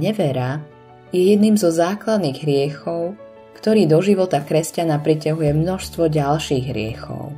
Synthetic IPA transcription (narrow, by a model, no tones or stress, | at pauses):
ɲɛʋɛɾa | jɛjɛd̪niːmzɔzaːklad̪niːɣɦɾɪɛxɔʊ | kt̪ɔɾiːd̪ɔʒiʋɔt̪akɾɛscanapɾicaɦujɛmnɔʃst̪ʋɔɟalʃiːɣɦɾɪɛxɔ̰ʊ